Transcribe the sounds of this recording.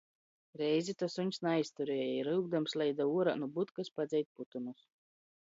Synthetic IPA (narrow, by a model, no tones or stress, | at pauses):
ɾɛjzʲit̪ɔsuɲʲsnajst̪uɾeːjiɾɨwɡ̚d̪amslˠʲɛjd̪auɔɾanubut̪kaspad̪zʲɛjt̪̚put̪unus